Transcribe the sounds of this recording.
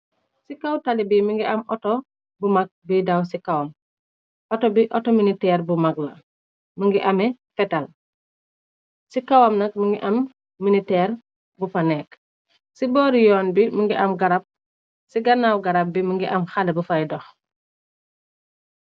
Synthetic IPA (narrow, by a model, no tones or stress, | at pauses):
sikawtalibimiŋɡiʔɐmʔɔto | bumak̚bidawsikawam | ʔɔtobiʔɔtominitɛːɾbumaɡlɐ | məŋɡiʔamɛ | fɛtal | sikawamnɐk̚miŋɡiʔɐmː | initɛːɾ | bupanɛːk | sibɔːɾijɔːnbiməŋɡiʔɐmɡaɾap̚ | siɡɐnːawɡaɾap̚biməŋɡiʔɐmxalɛbufajdɔx